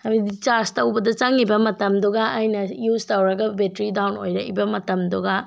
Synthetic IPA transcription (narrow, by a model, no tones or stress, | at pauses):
hɐbidit͡ʃaɾstɐwbɐdɐt͡ʃaŋibɐmɐtɐmduɡɐʔːjnɐjuztɐwɾɐɡɐbetɾidawnojɾɐʔḭbɐmɐtɐmduɡa